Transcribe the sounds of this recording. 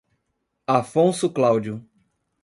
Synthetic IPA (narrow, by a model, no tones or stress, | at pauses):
afõsʊklawd͡ʒjʊ